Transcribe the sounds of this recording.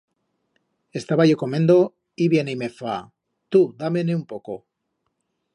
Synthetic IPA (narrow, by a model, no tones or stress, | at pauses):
e̞st̪aβaʝokomẽ̞nd̪o̞ | iβje̞neijmefa | t̪ud̪ameneumpo̞ko